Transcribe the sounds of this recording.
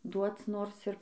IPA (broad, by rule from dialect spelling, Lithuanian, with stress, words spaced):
ˈduɔt͡s ˈnoːrs ɪr